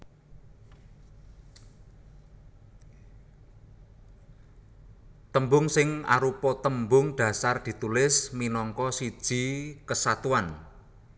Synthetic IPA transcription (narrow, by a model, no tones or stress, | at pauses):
t̪əmbʊŋsɪŋa̰ɾupɔt̪əmbʊŋɖ̪̥ä̤sard̪̥i̤t̪ulɪsminɔŋkɔsid̥ʒ̥i̤kəsat̪uan